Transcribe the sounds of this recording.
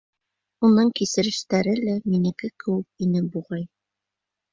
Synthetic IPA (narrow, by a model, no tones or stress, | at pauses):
unɤɴkisɘ̆ɾɘ̆ʃt̪æɾɘlæminɘ̆kɘkɘ̆wɘk̚inɘbuʁɑj